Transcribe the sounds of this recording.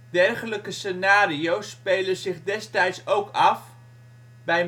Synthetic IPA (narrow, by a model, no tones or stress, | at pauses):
dɛrχələkəsenaːɾijowspejləzɪχdɛstɛjtsowkɑf | bɛj